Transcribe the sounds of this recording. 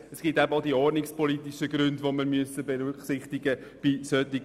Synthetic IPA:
ɛsɡ̥itæbəoʊd̪iːɔrnɪkspʰɔlit̪iʃəɡɾʉndʋoməɾmyəsəbeɾyksɪχt̪iɡəb̥isœt̪iɡ

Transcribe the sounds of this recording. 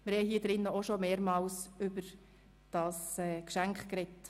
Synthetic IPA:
mɪɾhɛhiːd̥ɾɪnːəoʃɔmeːɾmɑːlsʏbəɾ | d̥ɑsɛːkʃæŋkχkɾɛt

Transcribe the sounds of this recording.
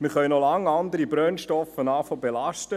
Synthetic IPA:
miχœʏnɔlɑŋːɑnd̪əɾibɾœnʃtɔfənɑːfobelɑʃtə

